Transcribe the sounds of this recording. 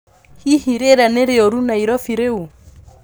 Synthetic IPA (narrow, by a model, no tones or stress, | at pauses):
hihiɾɛɾaneɾeɔɾunaiɾɔfiɾeu